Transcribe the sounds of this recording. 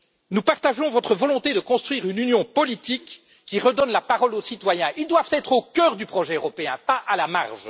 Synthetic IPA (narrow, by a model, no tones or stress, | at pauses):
nupaʁt̪aʒɔ̃vɔt̪χəvɔlɔ̃t̪ed̪əkɔ̃st̪χɥiːʁynynjɔ̃pɔlit̪ikː | iʁəd̪ɔnlapaʁɔlosit̪wajɛ̃ʔild̪wavt̪ɛt̪χokʲœːʁd̪ypχɔʒɛøʁɔpeɛ̰̃paʔalama̰ʁʒ